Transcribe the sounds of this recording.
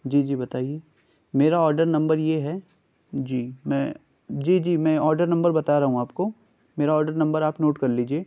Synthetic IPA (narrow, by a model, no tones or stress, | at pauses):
d͡ʒiːd͡ʒiːbɐt̪aːijeː | meːɾaɔːɾɖəɾnɐ̃mbəɾjeɦɛː | d͡ʒiːmɛ̰̃ː | d͡ʒiːd͡ʒiːmɛ̃ːɔːɾɖəɾnɐ̃mbəɾbɐt̪aɾɐɦũaːpko | meːɾaɔːɾɖəɾnɐ̃mbəɾaːpnoːʈkɐɾliːd͡ʒieː